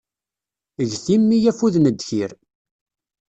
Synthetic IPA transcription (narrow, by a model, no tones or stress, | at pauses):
əʝθimːijæfuðnəd̪çiɾ